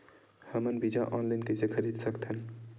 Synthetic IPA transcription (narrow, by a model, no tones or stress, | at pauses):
həmənbid͡ʒaʔɔːnlaɪnkesekʰəɾiːd̪səkt̪ɦən